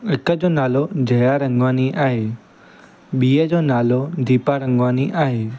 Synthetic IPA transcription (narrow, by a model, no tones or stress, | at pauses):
ɪkəd͡ʑoːnaːlod͡ʑɐjaɾɐ̃ŋɡʋaːniʔaːɦeː | ɓiːəd͡ʑoːnaːlod̪ʱiːpaɾɐ̃ŋɡʋaːniʔaːɦeː